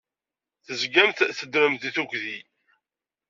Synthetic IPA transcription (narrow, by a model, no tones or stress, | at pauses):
θəzɡæmθθəd̪ɾəmθiθukʷði